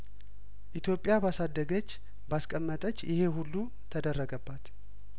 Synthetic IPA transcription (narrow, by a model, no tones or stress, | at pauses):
ʔit̪jo̞pʼɪjabasad̪ːəɡət͡ʃː | baskʼəmːət̪ʼət͡ʃːjɪhe̞ɦulːu | t̪ʰəd̪ərːəɡəbːat̪